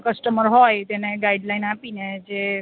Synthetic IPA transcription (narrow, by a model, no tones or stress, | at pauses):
kəsʈəməɾɦɔjt̪eneɡaiɖlainapined͡ʒe